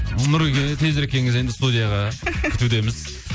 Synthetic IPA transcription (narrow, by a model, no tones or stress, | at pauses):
mɪɾɡʲet̪ʰe̞zeɾkʲʰe̞ŋɪze̞nd̪ɪst̪ud̪ijɑʁɑkʲʰʏt̪ud̪e̞mɪz̥